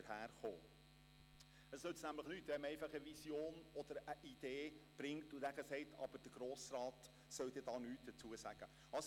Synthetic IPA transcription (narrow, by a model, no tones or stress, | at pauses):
ɾhæːɾχoː | əsnʉt͡snæmləχnyːtʋɛmɛɪfɑχəvisjoːnɔd̪əɾəʔid̥eːb̥ɾɪŋtʊdæɡəsɛɪtʰɑ̰b̥əɾd̥əɡ̥ɾoːsrɑːt | sœwd̪edɑːnyːt̚d̥ət͡suəsæɡ̥ə | ɑs